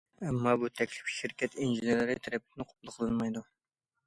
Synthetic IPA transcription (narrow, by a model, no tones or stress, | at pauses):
ɛmːɑbut̪ʰɛkʲlɪfʃiɾkʲɛt̪ʰinʒiɪneɾɨɾɪt̪ʰɛɾɛp̚t̪ʰɪnɨqʰo̥p̚lˠɨqʰəlˠɨnmɑjd̪u